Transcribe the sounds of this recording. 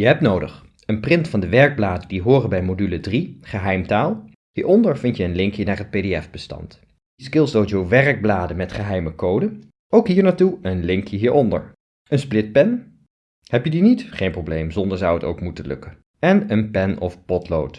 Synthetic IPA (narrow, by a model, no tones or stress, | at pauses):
jəɦɛp̚tnowdə̰χ | ənprɪntfɑndəʋɛɹɡ̚blaːdədiɦʊːrəbɛjmodylədriχəɦɛjmtaːlˠ | hiːɹɔndəɹvɪntjəənlɪŋkjənaːɹɦət̚pejdeɛfb̥əstɑ̰nt | iskɪlˠsdod͡ʒowʋɛrɡ̚blaːdəmɛtχəɦɛjməkowdə | ʔowkɦiːɹnaːɹtuənlɪŋkjəɦiːɹɔndə̰ɹ | ənsplɪt̚pɛn | hɛpjədinitχejnprowblejmzɔndəɹzɑwəto̰wkmutəlɵ̰kən | ɛnənpɛnɔ̰fpɔtlo̰wt